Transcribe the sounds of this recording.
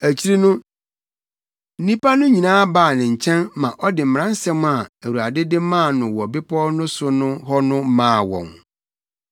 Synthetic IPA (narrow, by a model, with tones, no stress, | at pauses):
æ˨t͡ɕʰi˦ɾi˦nʊ̃˦ | n̩˦nĩ˦pa˦nʊ̃˦ɲĩ˨nãː˦baː˦˨nɪ̃˨ɲ̩˨t͡ɕʰɛ̃˦nmã˨ʔɔ˦dɪ˨m̩˨m̃˨ɾã˦n̩˦sɛ̃˦m˦a˨æ˨wu˨a˨dɪ˦dɪ˦mãː˦˨nʊ̃˨wɔ˨bɪ˦pʰɔ˦nʊ̃˦sʊ˦nʊ̃˦ɦɔ˦nʊ̃˦mãː˦˨wɔ̰̃˨ŋ